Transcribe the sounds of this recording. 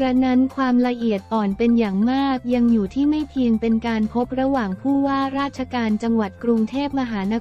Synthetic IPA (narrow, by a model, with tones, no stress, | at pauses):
ɾa˦˥na˦˥nkʰwaː˧mɾa˧ʔi˨˩ət̪̚ʔɔː˨˩npe˧njaː˨˩ŋmaː˥˩k̚ja˧ŋjuː˨˩t̪ʰiː˥˩ma˥˩jpʰi˧əŋpe˧nkaː˧npʰo˦˥p̚ɾa˧waː˨˩ŋpʰuː˥˩waː˥˩ɾaː˥˩t̪̚t͡ɕʰa˧kaː˧nt͡ɕa˧ŋwa˨˩t̪̚kɾu˧ŋt̪ʰeː˥˩p̚ma˧ɦaː˩˦na˦˥